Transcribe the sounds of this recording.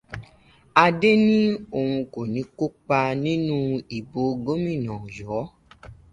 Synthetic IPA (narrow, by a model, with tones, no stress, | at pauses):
a˧de˦nĩ˦o˧˨hũ˧ko˨nĩ˨˦ko˦k͡pa˧nĩ˦nũ˦i˨bo˨˦ɡo˦mĩ˦˨nã˨jɔː˨˦